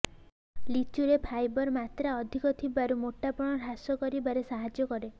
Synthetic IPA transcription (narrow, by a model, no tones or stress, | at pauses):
lit͡ʃuɾepʰajbɔɾmat̪ɾaɔd̪ʱikɔt̪ʰibaɾumoʈːapɔɽ̃ɔɾasɔkɔɾibaɾesaɦad͡ʒjɔkɔɾe